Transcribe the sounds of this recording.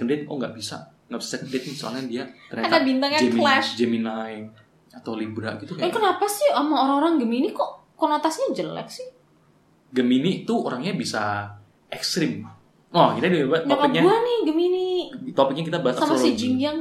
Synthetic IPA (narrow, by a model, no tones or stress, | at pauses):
kəndet̪̚kɔŋɡaʔbisa̰ | ŋɡaʔbisasɛkəndet̪̚soa̰landiaərɲaad̪abint̪aŋjad͡ʒemilad͡ʒəminaj | at̪awlibɾa̰ʔɡit̪ukkənapasɪhamaoɾaŋoɾaŋɡəminikɔʔ | kɔnot̪asɲad͡ʒəla̰k̚sɪh | ɡəminit̪uoɾaŋɲabisa | ɛkst̪ɾɪm | ɔhɡinadiabat̪ɔapkak̚ɲauanɪhɡəminiit̪ɔpɪk̚ɲakit̪abaassamaslid͡ʒiŋd͡ʒaŋ